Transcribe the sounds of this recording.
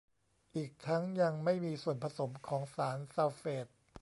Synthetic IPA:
ʔiː˨˩k̚t̪ʰa˦˥ŋja˧ŋma˥˩jmiː˧su˨˩ənpʰa˧so˩˦mkʰɔː˩˦ŋsaː˩˦nsaː˧wfeː˨˩t̪̚

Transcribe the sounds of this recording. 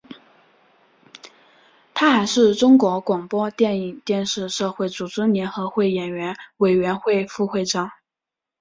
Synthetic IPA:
t̪ʰa˥xa˧˥ɪʂɻ̩˥˩ʈ͡ʂʊ˥ŋkwɔ˧˥kwɑ˨˩ŋpwɔ˥t̪jɛ˥˩ni˨˩ŋt̪jɛ˥˧nʂɻ̩˥˧ʂɤ˥˧xwe˥˩ɪt͡su˨˩ʈ͡ʂɻ̩˥njɛ˧˥nxɤ˧˥xwe˥˩ɪjɛ˨˩nɥɛ˧˥nwe˨˩ɪɥɛ˧˥nxwe˥˧ɪfu˥˧xwe˥˩ɪʈ͡ʂɑ˥˩˦ŋ

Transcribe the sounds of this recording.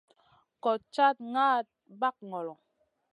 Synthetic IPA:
kɔ˨t͡ʃa˦t̚ŋaː˦t̚ba˦k̚ŋɔ˨lɔ˨

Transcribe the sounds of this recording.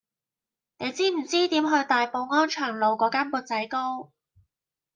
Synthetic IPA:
ne˨˧jt͡siː˥m̩˨˩t͡siː˥t̪iː˨˥mɦɵ˧ɥt̪aː˨jpo˧wŋɔː˥nt͡ʃʰœː˨˩ŋlo˨˧wkɔː˨˥kaː˥npuː˧t̚t͡sɐ˨˥jko˥w

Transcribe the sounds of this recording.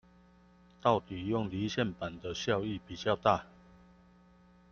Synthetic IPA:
t̪ɑ˥˨ʊt̪i˨˩jʊ˥˨ŋli˨˦ɕjɛ˥˨npa˨˩nd̪ə˨ɕjɑ˥˧ʊi˥˨pi˨˩t͡ɕjɑ˥˧ʊt̪a˥˨

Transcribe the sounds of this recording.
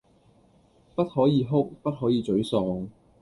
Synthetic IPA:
pɐ˥t̚hɔː˨˥jiː˨˧ɦʊ˥k̚pɐ˥t̚ɦɔː˨˥jiː˨˧t͡ʃɵ˨˥ɥsɔː˧ŋ

